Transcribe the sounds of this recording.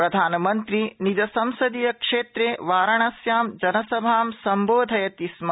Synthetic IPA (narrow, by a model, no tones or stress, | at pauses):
pɾɐd̪ʱaːnɐmɐnt̪ɾinid͡ʒɐsɐmsɐd̪ijɐkʂeːt̪ɾeːʋaːɾɐɳɐsjaːmd͡ʒɐnɐsɐbʱaːmsɐmboːd̪ʱɐjɐt̪ismɐ